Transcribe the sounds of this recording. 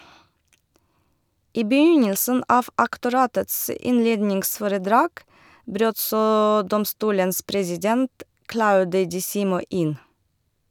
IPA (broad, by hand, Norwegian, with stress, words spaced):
ˈʔiː bəˈjʏɲəlsən ˈʔɑːʋ ʔɑktʊˈɾɑːtəts ə ˈɪnˌleːdnɪŋsfɔɾəˌdɾɑːɡ ˈbɾøːt ˈsoː ˈdɔmstuːləns pɾɛsɪˈdɛnt ˈklaʊdə dɪˈsiːmɔ ˈʔɪn